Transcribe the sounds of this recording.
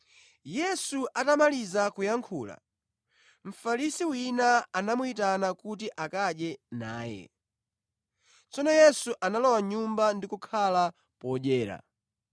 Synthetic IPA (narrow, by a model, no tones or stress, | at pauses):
jɛsuʔatamalizakujaŋkʰuːla̰ | m̩falisiwinaːnamuitanakut̬iʔakaɗjɛnaːjɛ̰ | t͡sɔnɔjɛsuʔanalɔwaɲumbandikukʰala | pɔɗɛːɾa̰